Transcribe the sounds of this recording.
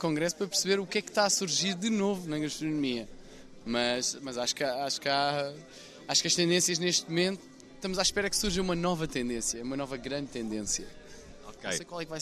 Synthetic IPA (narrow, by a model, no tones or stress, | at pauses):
kõŋɡɾɛsu̥pɾɐpɨɾsɨβeɾukɛkt̪aɐsuɾʒiɾd̪ɨnovunɐɣɐʃt̪ɾunumiɐ | mɐʃmɐzaʃkaaʃu̥ka | aʃu̥kɐʃt̪ẽnd̪ẽsjɐʒneʃt̪mumẽnt̪u̥ | ʃt̪ɐmuzaʃpɛɾɐksuɾʒɐ̃umɐnɔvɐt̪ẽnd̪ẽsjɐɛumɐnɔvɐɣɾɐ̃nd̪̚t̪ẽnd̪ẽsjɐ | okḛ̃sejkwalˠɛkvaj